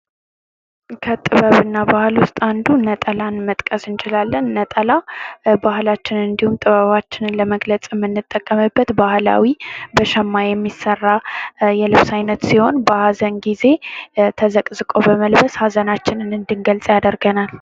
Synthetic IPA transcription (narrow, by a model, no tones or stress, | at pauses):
kʰət̪ʼɨβəβɨnːabahɨlwʊst̪ʼand̪unət̪ʼəlanmət̪ʼkʼəsɨnt͡ʃʰɪlalːənːət̪ʼəlabahlat͡ʃːɪnɨnd̪ihumt̪ʼɨβəβat͡ʃːɪnɨnləməɡlət͡sʼmːɨnːɨt̪ʼːəkʼːəmɨbːət̪bahla̰wibəʃəmːajɛmːisːərːajɛlɨβsajnət̪siho̞nbəhazənɡize̞t̪ʰəzəkʼzɨkʼo̞bəməlbəshazənat͡ʃːɪnɨnɨnd̪ɨŋɡəlt͡sʼjad̪əɾɡənal